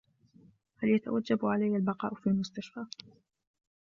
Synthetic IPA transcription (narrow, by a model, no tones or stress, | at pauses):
haljat̪a̰wad͡ʒːabʕalajːalbɑqɑ̰ːʔfiːlmʊst̪aʃfaː